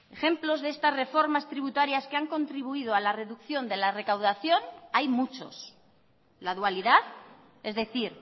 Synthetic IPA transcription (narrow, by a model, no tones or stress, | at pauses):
e̞xe̞mplo̞zðe̞st̪azre̞fo̞ɾmast̪ɾiβut̪aɾjaskeaŋko̞nt̪ɾiβ̞uið̞oalare̞ðukθjo̞nd̪e̞lare̞kawðaθjo̞najmut͡ʃo̞̰s | laðualiðað | e̞zðe̞θiɾ